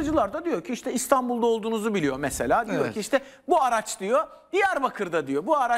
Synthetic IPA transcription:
d͡ʒɯlˠaɾd̪ad̪ijo̞ɾcʰiiʃt̪ʰɛist̪ʰanbulˠd̪aolˠd̪uːnuzubilʲijo̞mɛsḛlʲaːd̪ijoɾcʰiiʃt̪ʰɛ | buaɾat͡ʃd̪ijo̞ | ijaɾbakʰɯɾd̪ad̪ijo̞buaɾa

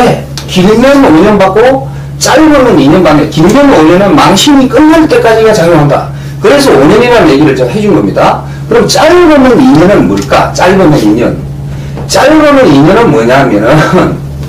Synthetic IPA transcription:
ne | kiɭmʌnoɲʌnbak͈o | t͡ɕ͈aʎbʌmɯniɲɯnbanekiɭmjʌnoɲʌnɯnmaŋɕʰimik͈ɯnːaɭt͈e̞k͈ad͡ʑiɡat͡ɕaŋjoɦanda̰ | kɯɾe̞sʰʌoɲʌneβanje̞ɡiɾɯɭt͡ɕʌmhe̞d͡ʑunɡʌmɲida | kɯɾʌmt͡ɕ͈aɭbɯnɯniɲʌnɯnmoɭk͈a̰t͡ɕ͈aɭbʌnɯniɲɯ̰n | t͡ɕ͈aɭbʌnɯniɲʌnɯnmwʌɲaɦamjʌnɯn

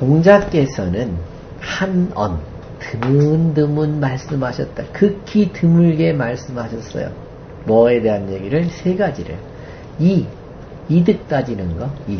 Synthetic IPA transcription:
toŋd͡ʑak͈e̞sʰʌnɯn | hanʌn | tɯmɯndɯmɯnmaɭs͈ɯmɦaɕʰʌt̚t͈akɯkʰitɯmuɭɡe̞maɭs͈ɯmɦaɕʰʌs͈ʌ̰jo̰ | mʌe̞de̞ɦanje̞ɡiɾɯɭsʰe̞ɡad͡ʑiɾɯ̰ | iː | dɯk̚t͈ad͡ʑinɯnɡʌi

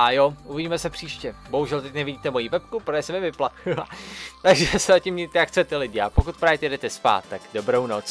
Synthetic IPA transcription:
ʔajo̞ʔuvɪɟiːmɛsɛpr̥iːʃcɛbo̞ɦuʒɛlt̪ɛcnɛvɪɟiːt̪ɛmo̞jiːvɛp̚kupɾojɛsɛmɪvɪplakɪlat̪aɡʒɛsɛzacimɲit̪ɛjakxt͡sɛt̪ɛlɪɟɪapokut̪̚pɾaːvɛt̪ɪjɛdɛt̪ɛspa̰ːt̪ːaɡdo̞bɾownot͡s

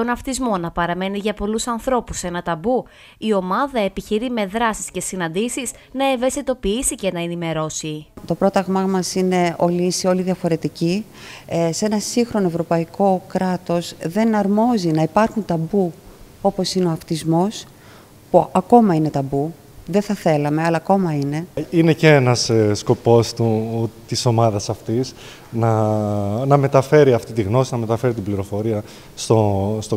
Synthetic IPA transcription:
t̪o̞nɐft̪izmo̞nɐpɐɾɐme̞niʝɐpo̞lusɐnθɾo̞puse̞nɐt̪ɐbu | io̞mɐðɐe̞piçiɾime̞ðɾɐsi̥sce̞sinɐnd̪isis | nɐe̞ve̞st̪it̪o̞piisice̞nɐenime̞ɾo̞sit̪o̞pɾo̞t̪ɐɣmɐmɐsine̞o̞liisio̞liðiɐfo̞ɾe̞t̪ici | se̞nɐsiŋxɾo̞noevɾo̞pɐiko̞kɾɐt̪o̞zðe̞nɐɾmo̞zinɐipɐɾxunt̪ɐbuo̞po̞sineo̞ɐft̪izmo̞s | puɐko̞mɐine̞t̪ɐbu | ðeθɐθe̞lɐmeɐlɐːko̞mɐine̞ine̞ceenɐssko̞po̞st̪ut̪iso̞mɐðɐsɐft̪is | nɐ | nɐme̞t̪ɐfe̞ɾiɐft̪it̪iɣno̞sinɐme̞t̪ɐfe̞ɾit̪ibliɾo̞fo̞ɾiɐ | st̪ost̪o

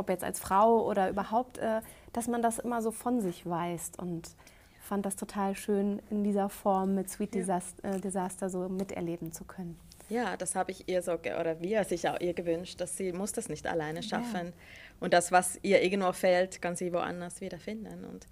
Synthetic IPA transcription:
ʔɔpjɛt͡sta̰lsfʁ̥aʊʔo̰ːɾɐʔyːbɐhaʊp̚tʔɛː | d̥asmandasʔɪmɐzoːfɔnzɪçv̥aɪstʊ̰nt | fant̚d̥astʰotʰaːlʃøːnɪndiːzɐfɔɐmːɪtsw̥iːt̚d̥ezasdezaːstɐzoːmɪtʔɛ̰ɐleːbm̩t͡sukʰœnən | jaːd̥ashaːbəɪçʔiːɐzoːɡʔo̰ːɾɐviːɐzɪça̰ʊʔiːɐɡəvʏnʃt̚d̥asz̥iːmʊsd̥asnɪçta̰laɪnəʃa̰fən | ʔʊnt̚d̥asv̥asʔiːɐʔɪɐɡən̩tv̥oːfɛltkʰanziːvoʔa̰ndɐsv̥iːdɐfɪndənʊ̰nt

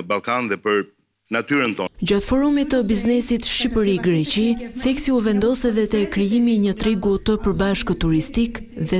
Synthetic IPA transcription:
balˠkanðɛpəɾ | nat̪yɾənt̪ɔd͡ʑat̪fɔɾumit̪əbiznɛsit̪ʃipəɾiɡɾɛt͡ɕiθɛksiuvɛnd̪ɔsɛðɛt̪ɛkɾijimiɲət̪ɾiɡut̪əpəɾbaʃkət̪uɾist̪ik | ðɛ

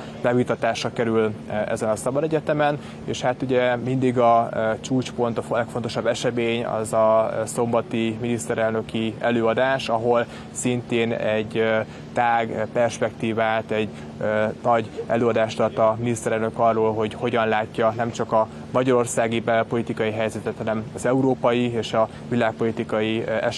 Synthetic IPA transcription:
bɛvit̪ɒt̪aːʃrɒkɛɾylɛ̰zɛnɒsɒbɒd̪ɛɟɛt̪ɛmɛn | ḛːʃhat̪uɟɛmind̪iɡɒt͡ʃuːt͡ʃpo̞nt̪ɒlɛkfo̞nt̪o̞ʃɒbːɛʃɛmeːɲɒ̰zɒso̞mbɒt̪iminist̪ɛɾɛlnø̞kiɛ̰løːɒd̪aːʃɒɦo̞l | sint̪eːnɛɟ | t̪aːɡpɛrʃpɛkt̪iːvaːt̪ɛɟ | ønɒɟɛ̰løːɒd̪aːʃɒt̪ːɒminist̪ɛɾɛlnø̞kɒrːoːlɦo̞ɟho̞ɟɒnlaːcːɒnɛmt͡ʃɒkɒ | mɒɟɒɾo̞rsaːɡibɛpo̞lit̪ikɒjiɦɛjzɛt̪ɛt̪hɒnɛmɒzɛuɾoːpɒjieːʃɒ | vilaːk̚po̞lit̪ikɒjiɛ̰ʃ

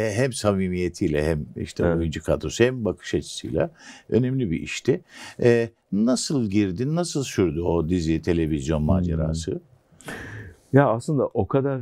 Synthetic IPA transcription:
ɦɛmsamiːmije̞t̪ʰijlʲɛ̰hɛmḭʃt̪ʰɛojund͡ʒukʰat̪ʰo̞shɛmbakʰɯ̥ʃat͡ʃʰɯ̥sɯ̰jlʲˠa̰ø̞̰nɛmlʲibiʔḭʃt̪ʰɪɛ | nasɯlˠɟiɾd̪innasɯlˠsyɾd̪uod̪izit̪ʰe̞lʲe̞vizjo̞nmaːd͡ʒḛɾa̰ːsɯ | jaːslˠɯnd̪aʔokʰad̪aɾ

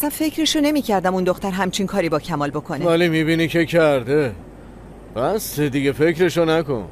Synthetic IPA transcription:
æsænfe̞cʰɾeʃone̞miːcʰæɾd̪æmund̪o̞xt̪æɾɦæmt͡ʃʰinkʰɒːɾiːbɒːcʰæmɒːlbo̞kʰo̞neælimibinicʰecʰæɾd̪e | bæsed̪iɡefe̞kɾeʃonæko̰n

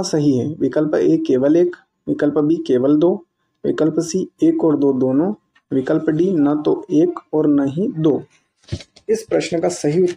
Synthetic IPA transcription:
asɐɦiɦɛːʋɪkəlpeːkːeːʋəleːk | ʋɪkəlpbʱikeːʋəld̪oː | ʋɪ̰kəlpsieːkɔːɾd̪oːd̪oːnõ | ʋɪkəlpɖiːnɐt̪oeːkɔːɾnɐɦĩd̪oː | ɪspɾəʃnəkasɐɦiʊ

